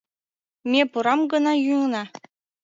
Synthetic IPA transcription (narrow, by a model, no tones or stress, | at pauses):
mʲepuɾɑmɡɤ̆nɑjuŋnɑ